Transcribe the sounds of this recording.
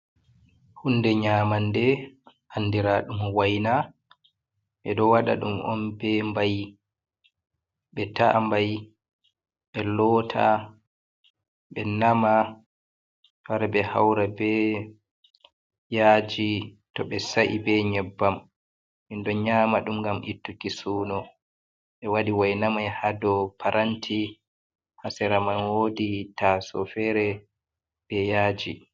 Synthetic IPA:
hunːdɛɲaːmandɛ | ʔandiɾaɗumwajna | ɓɛɗɔwaɗa̰ɗṵmɔ̰nbɛmbaj | ɓɛtambaj | ɓɛlɔːtʰa̰ | ɓɛnama | faɾbɛha̰wɾabɛ | jaːd͡ʒi | tɔɓɛsaʔibɛɲɛbːam | hindɔɲaːmaɗumŋɡamʔitːukisuːnɔ | ɓɛwadiwajnamajhadɔpʰaɾʔantʰi | hasɛɾamanwoditasɔfɛɾɛ | b̥ɛjaːd͡ʒi

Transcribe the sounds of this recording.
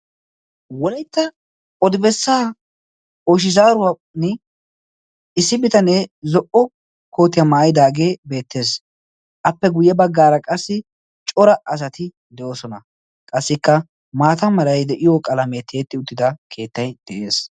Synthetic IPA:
wɔlɐjt̪ːɐ | ɔd̪ɪbɛsːaː | oːʃ̬ɪzaːɾʊwa | nɛ | ɪsːɪbɪt̪ɐnezɔʔɔ | ko̞ːt̪ːɪjɐmaːjɪd̪aːɡe̞ːbe̞ːt̪ːe̞ːs | ʔɐpːɛɡʊjːɛbɐɡːaːɾɐkʼɐsːɪ | t͡ʃʼɔɾɐʔɐs̬ɐt̪ɪ | d̪ɛʔoːsɔnɐ | kʼɐsːɪkːɐ | maːt̪ɐmɐlɐjd̪ɛʔɪjokʼɐlɐmet̪ʰeːt̪ːɪʊt̪ːɪd̪ɐkʰe̞ːt̪ːɐjd̪̥ɛʔe̞ːs

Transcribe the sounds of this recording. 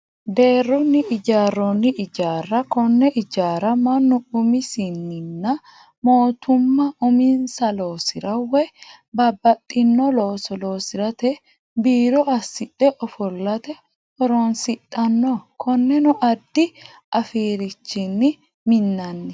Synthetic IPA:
d̪e̞ːrːɔnːɪʔɪd͡ʒaːrːɔnːɪʔɪd͡ʒaːrːɐkɔnːɛʔɪd͡ʒaːɾɐmɐnːʊʊmɪsɪnːɪnːɐ | mo̞ːt̪ʊmːɐʔʊmɪnsɐloːsɪɾɐwɛ | bɐbːɐt̪ʼːɪnːɔloːsɔlo̞ːsɪɾɐt̪ɛ | biːɾɔɐsːɪtʼːɛʔɔfɔlːɐt̪ɛ | ɔɾɔnsɪt̪ʼːɐnːoːkʰɔnːɛnʊʔɐd̪ːɪ | ʔɐfiːɾɪt͡ʃːɪnːɪ | mɪnːɐnːɛ

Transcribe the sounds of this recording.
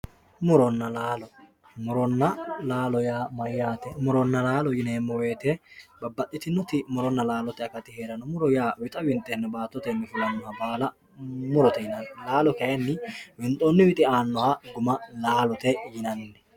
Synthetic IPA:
mʊɾɔnːɐlaːlɔ | mʊɾɔnːɐlaːlɔjaːmɐjːaːt̪ɛmʊɾɔnːɐlaːlɔjɪneːmːɔwe̞ːt̪ɛbɐbːɐt̪ʼːɪt̪ɪnːɔt̪ɪmʊɾɔnːɐlaːlɔt̪ɛɐkɐt̪ɪheːɾɐnɔmʊɾɔjaːwɪt̪ʼɐwɪnt̪ʼːɛnːɐbaːt̪ːɔt̪ɛnːɛfɪlɐnːɔhɐbaːlɐ | mʊɾɔt̪ɛjɪnɐnːɛlaːlɔkɐjɐnːɪwɪnt̪ʼːonːɪwɪt̪ʼɪaːnːɔhɐɡʊmɐlaːlɔt̪ɛjɪnɐnːɛ̥

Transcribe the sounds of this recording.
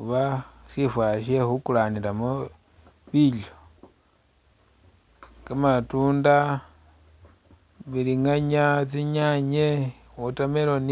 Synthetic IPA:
uβasifwaʃexukulaniɾamo | βilo | kamatuːnda | βiliŋaɲat͡siɲaɲe | utamelon

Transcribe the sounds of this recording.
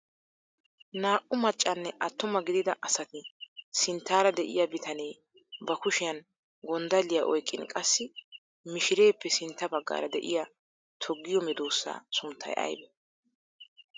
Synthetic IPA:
naːʔʊmɐt͡ʃʼːɐnːɛʔɐt̪ːʊmɐɡɪd̪ɪd̪ɐʔɐsɐt̪ɪsɪnt̪ːaːɾɐd̪ɛʔɪ̰jabɪt̪ʰɐneː | bɐkʊʃɪjɐn | ɡɔnd̪ɐlːɪjaʔɔjkʼːɪ̰nkʼɐsːɪ | mɪʃɪɾe̞ːpːɛsɪnt̪ːɐbɐɡːa̰ːɾɐd̪ɛʔɪja | t̪ʰɔɡːɪjɔmɛd̪oːsːa̰ːsʊmt̪ʰːɐ̰jʔɐ̰jbɛ

